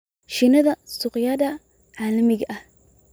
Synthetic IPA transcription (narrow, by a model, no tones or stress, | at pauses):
ʃɪnɐðɐsʊqjaːd̪ɐ | ʕaːlɐmɪɣɐʔɐh